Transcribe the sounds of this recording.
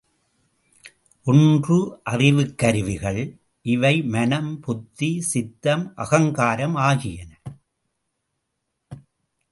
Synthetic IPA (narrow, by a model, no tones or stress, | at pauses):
ʔʊndrɯʔɐrɪʋɯkːɐɾɯʋɪɣɐɭ | ʔɪʋɐɪmɐnɐmpʊt̪ːisɪt̪ːɐmʔɐ̰ɣɐŋɡaːɾɐmaːɣɪjɐnɐ